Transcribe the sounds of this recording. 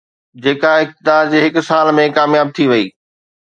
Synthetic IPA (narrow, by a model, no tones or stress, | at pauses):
d͡ʑeːkãɪk̚t̪ɪd̪aːɾd͡ʑeːɦɪksaːlmẽkaːmjaːb̚t̪ʰiʋɐiː